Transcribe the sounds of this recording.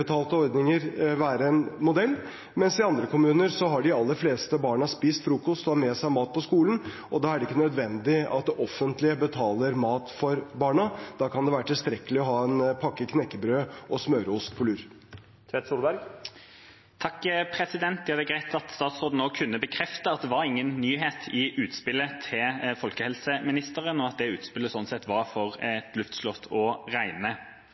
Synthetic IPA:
ət̪ʰɑːlt̪əɔɾd̪nɪŋəɾʋæːɾəɛnmʊd̪ɛlː | mɛnsɪɑnd̪ɾəkʊmʉːnəɾsɔɦɑɖɪɑlːəɾfleːst̪əbɑːɳəspiːst̪fɾuːkɔst̪ɔhɑɾmeːsæɪmɑːt̪̚pʰɔskuːlən̩ | ɔd̪ɑːæɾɖɛɪkːənœd̪ʋɛnd̪ɪɑ̰t̪̚d̪ɛʔɔfːənt̪lɪəbət̪ʰɑːləɾmɑːt̪fɔɾbɑːɳəd̪̥ɑːkɑnd̪ɛʋæːɾəʈ̪ʰɪlst̪ɾɛkəlɪɔɦɑːɛnpʰɑkːəkʰnɛkːəbɾøːʔɔsmøːɾəʊst̪̚pʰɔlʉːɾ | t̪ʰʋɛt̪suːlbæɾɡ | t̪ʰɑkːpʰɾɛsɪd̪ɛnt̪d̪ɪhɑd̪əɡʁæɪt̪ʰɑt̪st̪ɑːt̪sʁoːd̪n̩oːkʰʉnːəbəkʰɾɛft̪əɑt̪̚d̪ɛʋɑɾɪŋːənːyːɦeːt̪ʰɪʔʉːt̪spɪlːət̪ʰɪfɔlkəhɛlsəmɪnɪst̪əʁənɔɑt̪̚d̪ɛʉ̰ːt̪spɪlːəsɔnːsɛt̪ʋɑʁfɔʁɛt̪ʰlʉft̪slɔt̪ʰːɔʁæɪnə

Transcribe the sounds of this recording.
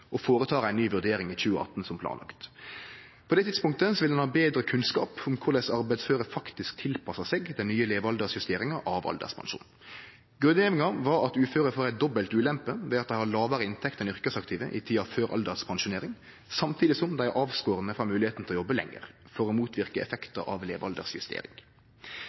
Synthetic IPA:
ʔɔfoːɾət̪ʰɑːɾæɪnnyːʋʉʁd̪eːɾɪŋiçʉːəʔɑ̰t̪nsɔmpʰlɑ̰ːnɑ̰kt̪ | pʰɔd̪ɛːt̪ʰɪt̪spʊŋk̚t̪əsɔʋɪld̪ɛnhɑːbeːd̪ɾəkʰʉnskɑ̰ːpʊmkʰʊʁd̪ɛsɑɾbæɪd̪sføːʁəfɑkt̪ɪsk̚t̪ʰɪlpʰɑsɑsɛɡd̪ɛnnyːəleːʋɑld̪əsjʉst̪eːɾɪŋɑʔɑʋɑ̰ld̪ə̰spʰɑ̰nʃṵːn | ɡʁʉnjeːʋɪŋɑʋɑɾɑt̪ʉːføːɾəfoːʁæɪt̪̚d̪ɔbːəlt̪ʉːlɛmpəʋɛɑt̪̚d̪æɪhɑlɑːʋəɾəɪnt̪ʰɛkt̪ənʏʁkəsɑkt̪iːʋə̰ʔɪt̪ʰiːɑɑʋføːɾʔɑ̰ld̪əspʰɑnʃʊneːɾɪŋ | sɑmt̪ʰiːd̪ɪsɔmd̪æɪæɾʔɑːʋskoːɾənəfʁɑːmʉːlɪheːt̪n̩t̪ʰlɔjɔbːəlɛ̰ŋːə̰ʁfɔɾomuːt̪ʰʋɪʁkəɛ̰fɛkt̪ə̰ʔɑ̰ʋleːʋɑ̰ld̪ə̰ʁsjʉst̪ḛːɾɪ̰ŋ

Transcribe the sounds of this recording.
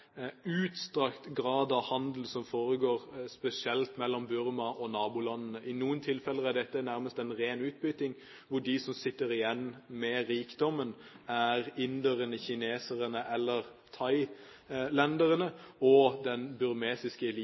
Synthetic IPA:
ʉːt̪st̪ʁɑkt̪ɡɾɑːd̪ɑʋhɑnd̪l̩sɔmfoːʁəɡoːʁspɛsɪɛlt̪mɛlːɔmbʉɾmɑʔɔnɑːbʊlɑnːənəʔɪnuːənt̪ʰɪlfɛləæɖ̪ɛt̪ːənæɾməst̪ɛnʁeːnʉːt̪̚bʏt̪ɪŋ | ʋʊɖɪsɔmsɪt̪ːəɾɪjɛnːmɛɾiːkd̪ɔmːənæʁɪnd̪əʁənəçɪneːsəʁənəʔɛlːəʁt̪ʰɑɪ | lɛnd̪əɾənəɔd̪ɛnbʉɾmeːsɪskəɛliː

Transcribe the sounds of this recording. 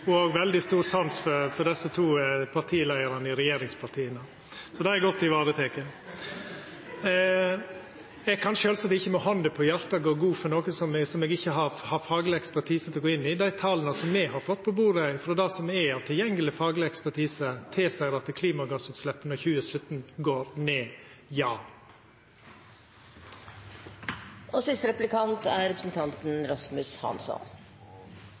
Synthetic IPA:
ɡʋɛld̪ɪst̪uːɾsɑnsfɔɾfɔɾɖ̪ɛsət̪ʰuːpʰɑɾʈ̪ʰiːlæɪəɾɑnəɪɾɛjeːɾɪŋspʰɑɾʈ̪ʰiːənə | sɔd̪ɛɛɡɔt̪ːɪʋɑːɾət̪ʰeːkə | ɛɡ̚kʰɑnʃøːlsɑt̪ːɪçːəmɔhɑnd̪əpʰɔjæɾt̪ɑɡoːɡuːfɔɾnoːkəsɔmsɔmɛɡɪçːəɦɑɾhɑfɑːɡlɪɛkspæɾʈ̪ʰiːsət̪ʰɪlɔɡoːɪnːɪd̪æɪt̪ʰɑlənɑsɔmːɛɦɑɾfɔt̪ːpʰɔbuːɾəfɾɔd̪æɪsɔmɛɑːʋt̪ʰɪljɛŋːəlɪfɑːɡlɪɛkspæɾʈʰiːsət̪ʰeːsæɪɾɑt̪ːəkʰliːmɑɡɑsʉp̪slɛpːnɔɾçʉːəsœt̪nɡoːɾneːjɑː | ɔsɪst̪ɾɛplɪkʰɑnt̪æ̰ɾɾɛpɾəsn̩t̪ʰɑnt̪n̩ɾɑsmʉshɑ̰nsɔ̰n

